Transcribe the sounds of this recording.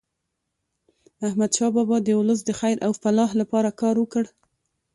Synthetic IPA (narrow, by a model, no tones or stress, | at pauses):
ahmad̪ʃɑbɑbɑd̪əʊləs̬d̪əxajɾʔawfalɑɦlapɑɾakɑɾwəkəɽ